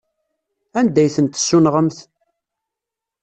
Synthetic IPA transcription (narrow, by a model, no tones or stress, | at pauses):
ænd̪æjθənt̪ə̥sːunʁəmθ